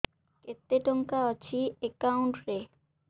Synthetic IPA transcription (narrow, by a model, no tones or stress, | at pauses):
ket̪ːeʈoŋkaɔt͡ɕʰiekawɳʈɾe